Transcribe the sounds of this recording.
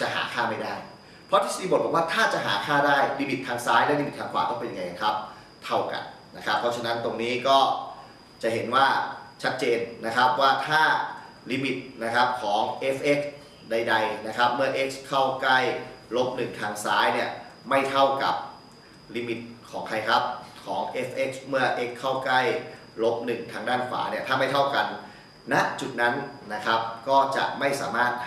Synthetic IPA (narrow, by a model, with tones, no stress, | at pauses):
t͡ɕa˨˩ʔɦa̰ː˩˦kʰaː˥˩ma˥˩jdaː˥˩j | pʰɔ˦˥t̪ʰi˦˥˩iː˧bo˨˩bɔ˨˩kwaː˥˩t̪ʰaː˥˩t͡ɕa˨˩ɦa̰ː˩˦kʰaː˥˩daː˥˩jliː˧mi˨˩t̪̚t̪ʰaː˧ŋsaː˦˥jn˦˥˩liː˧mi˨˩t̪̚t̪ʰaː˧ŋkʰwaː˨˩kɔː˥˩pe˧nja˧ŋa˧ja˨˩kʰɾa˦˥p̚ | t̪ʰa˥˩wka̰˨˩n | na˦˥kʰɾa˦˥pʰːɔ˦˥t͡ɕʰna˦˥nt̪o˧ŋniː˦˥kɔː˥˩ | t͡ɕa˨˩ɦe˩˦nwaː˥˩t͡ɕʰa˦˥t̪̚t͡ɕeː˧nːa˦˥kʰɾa˦˥p̚waː˥˩t̪ʰaː˥˩ | liː˧mi˨˩t̪̚na˦˥kʰɾa˦˥p̚kʰɔː˩˦ŋʔe˦˥pʔe˦˥k̚ | da˧jda˧jna˦˥kʰɾa˦˥p̚mɯ˥˩ɐʔe˦˥k̚skʰa˥˩wkla˥˩jlo˦˥p̚nɯ˨˩ŋt̪ʰaː˧ŋsaː˦˥jni˥˩ɐma˥˩jt̪ʰa˥˩wka̰˨˩p̚ | liː˧mi˨˩t̪̚kʰɔː˩˦ŋkʰa˧jkʰɾa˦˥p̚kʰɔː˩˦ŋʔe˦˥pʔe˦˥k̚smɯ˥˩ɐʔe˦˥kʰːa˥˩wkla˥˩j | lo˦˥p̚nɯ˨˩ŋt̪ʰaː˧ŋdaː˥˩nfa̰ː˩˦ni˥˩ɐt̪ʰaː˥˩ma˥˩jt̪ʰa˥˩wka˧n | na˦˥ʔt͡ɕu˨˩t̪̚na˦˥nna˦˥kʰɾa˦˥p̚kɔː˥˩t͡ɕa̰˨˩ʔma˥˩jsaː˩˦maː˥˩t̪̚